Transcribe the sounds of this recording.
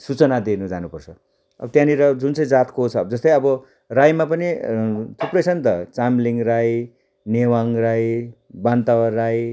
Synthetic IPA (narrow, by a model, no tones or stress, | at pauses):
sut͡sʌnad̪enud͡zanupʌrt͡sʰʌ | ʌ̰bʌt̪jãniɾʌd͡zunt͡sʌj̃d͡zat̪kot͡sʰʌd͡zʌst̪ʌj̃ʌbʌ | rajmapʌnit̪ʰuprʌjt͡sʰʌnt̪ʌt͡samliŋraj | newaŋraj | bant̪awʌraj